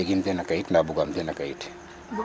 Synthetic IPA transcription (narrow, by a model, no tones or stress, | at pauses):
ɛɡim̩piɛnakaitinabuɡam̩piɛnakaiti̥